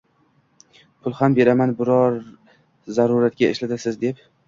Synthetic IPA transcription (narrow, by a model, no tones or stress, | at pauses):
pʰʊlˠhambe̞ɾamanbɪɾɒɾ | zaɾuɾat̪ɡʲaɪ̰ʃlat̪ɪlsɪzd̪e̞p